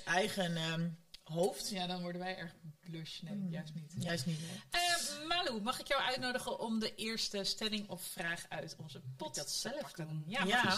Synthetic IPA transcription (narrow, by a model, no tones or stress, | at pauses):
ɛjχən | ɦowftjadɔnʋɔɹdənʋɛjɛɹχbløʃnɛmɪkjœɥstnitjasnitəmaːlumɑχɪkjɔwʔœ̰ɥtnowdəχənʔɔmdəʔɪːɹstəstɛlɪŋɔffraːχœɥtɔnzəpɔttɛlfkəjaja